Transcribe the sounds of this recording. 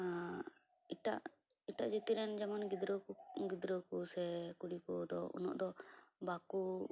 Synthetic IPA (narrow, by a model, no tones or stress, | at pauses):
a | iʈa̰ʔ | iʈaʔd͡ʒit̪iɾɛnd͡ʒɛmanɡid̪ɾoɡid̪ɾokusɛkuɽikɔd̪ɔ̰ṵnɔ̰ʔd̪ɔbaku